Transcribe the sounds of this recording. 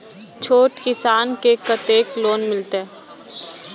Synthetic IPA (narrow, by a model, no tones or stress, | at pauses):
t͡ʃʰoːʈkɪsaːnkekət̪eːkloːnmɪlt̪eɛ